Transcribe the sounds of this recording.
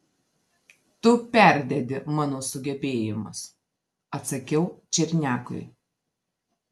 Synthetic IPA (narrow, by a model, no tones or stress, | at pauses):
t̪ʊpʲæˑɾʲd̪ʲɛd̪ʲɪmɑːnoːsʊɡʲɛbʲeːjɪmɐs | ɐt̪sɐkʲɛʊt͡ʃʲɪɾʲnʲæːkʊ̰ɪ